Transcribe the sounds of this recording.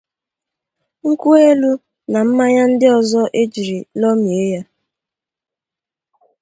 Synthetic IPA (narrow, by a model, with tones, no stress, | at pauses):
ŋ̩˦ku˦e˦lu˦ | na˨m̩˦ma˦ɲa˦n̩˦dɪ˦ɔ˨zɔ˦ʔe˦d͡ʒi˨ɾi˨lɔ˦mi˨e˦ja˦